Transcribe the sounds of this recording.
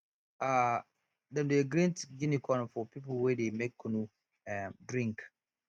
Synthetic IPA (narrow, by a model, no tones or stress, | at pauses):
a | dɛ̃ndeɡɾĩntɡĩnikʰɔ̃nfɔpʰip̬l̩wɛdemekʰːũnũ | ɛdɹĩŋk